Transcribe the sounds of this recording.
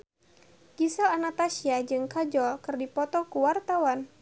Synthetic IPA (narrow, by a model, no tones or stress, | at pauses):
kisalanat̪asiad͡ʒɨŋkad͡ʒɔlkɨrdipɔt̪ɔkuwart̪awan